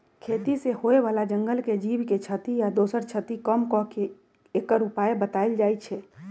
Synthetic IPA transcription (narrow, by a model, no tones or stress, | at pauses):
kʰet̪isehoeβalad͡ʒəŋɡəlked͡ʒibket͡ʃʰət̪ijad̪osəɾt͡ʃʰət̪ikəmkɔke | ekəɾupaebət̪aild͡ʒajt͡ʃʰɛ